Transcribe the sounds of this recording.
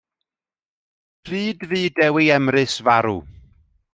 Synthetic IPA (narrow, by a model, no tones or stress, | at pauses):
pʰriːdviːdɛwiɛmɾɨsvaɾṵ